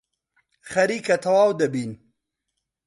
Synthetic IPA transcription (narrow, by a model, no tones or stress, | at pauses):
xɐɾiːkɐt̪ʰɐwaːwd̪ɐbiːn